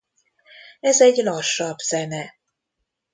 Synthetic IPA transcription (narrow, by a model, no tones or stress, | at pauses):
ɛzɛɟlɒʃːɒbz̥ɛnɛ